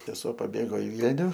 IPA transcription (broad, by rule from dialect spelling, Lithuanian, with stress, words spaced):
sʲɛˈsuɔ pɐˈbʲeːɡoː ɪ ˈʋʲiːlʲnʲʊ